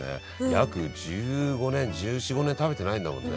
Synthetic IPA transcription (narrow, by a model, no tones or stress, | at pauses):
ḛ | jakɯ̟d͡ʑɨːɡo̞nẽ̞ɲd͡ʑɨːɕiɡo̞nent̪aβe̞t̪e̞naĩnd̪amõ̞̰nːe